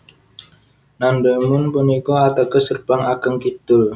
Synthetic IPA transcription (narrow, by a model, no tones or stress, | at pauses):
nandəmʊnpunikɔat̪akəsərbaŋakəŋkit̪ʊl